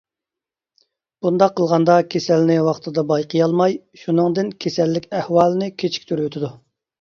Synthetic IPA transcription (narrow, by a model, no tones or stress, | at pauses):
b̥und̪ɑqʰːəlˠʁɑnd̪ɑkʲʰesɛlnɪwɑχt̪ʰɨd̪ɑbɑjqʰəjɑlˠmɑj | ʃunɨŋd̪ɪnkʲʰesɛlːɪkʲɛhwɑːlˠɨnɪkʲʰet͡ʃʰi̥kʲt̪ʰøɾwøt̪ʰɪd̪u